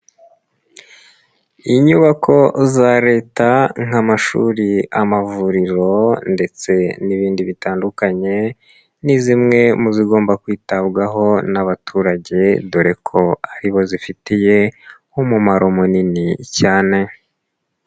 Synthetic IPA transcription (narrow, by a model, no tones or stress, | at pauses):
iɲuβakʰo̞zaɾe̞ːtaŋamaʃṵːɾiamavuɾiɾo̞nde̞t͡se̞niβiːndiβitaːndukaɲe̞ | nizimŋe̞muziɡo̞ːmbakwiːtabɡaɦo̞naβatʰuːɾaɟe̞duɾe̞kʰo̞aɾiβo̞zifitije̞ | umumaɾʔo̞muninicaːne̞